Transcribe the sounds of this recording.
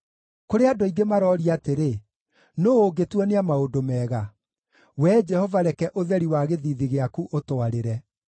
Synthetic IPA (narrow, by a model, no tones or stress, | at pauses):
koɾeadoiɡemaɾɔːɾiateɾe | nooɡetwɛneamaodomɛːɣa | wɛd͡ʒɛhɔvaɾɛkɛʔoðɛɾiwaɣeðiðiɣeakuʔotoaɾeɾɛ